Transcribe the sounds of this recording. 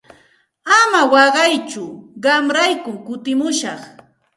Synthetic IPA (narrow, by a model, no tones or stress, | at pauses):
amawɑɢɑjt͡ʃʊɢɑmɾajkʊkʊt̪ɪmʊʃɑχ